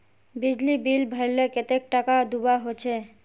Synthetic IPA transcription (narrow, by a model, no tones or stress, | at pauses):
bid͡ʑlibilbʱəɾleket̪ek̚ʈakad̪ubaɦot͡ɕʰe